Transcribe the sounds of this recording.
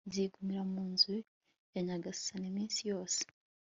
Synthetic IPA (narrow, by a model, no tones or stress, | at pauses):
ziɡumiɾamuːnzu | eɲaɡasu̥sanimiːnsijo̞ːse̥